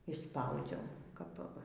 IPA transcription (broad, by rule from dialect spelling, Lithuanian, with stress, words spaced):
ɪʃˈspɐʊd͡zʲɛʊ ˈkɐp